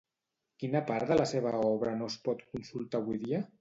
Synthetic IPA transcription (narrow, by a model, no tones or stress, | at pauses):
kinəpaɾðələseβ̞əɔβ̞ɾənospɔt̪kunsulˠt̪aβujðiə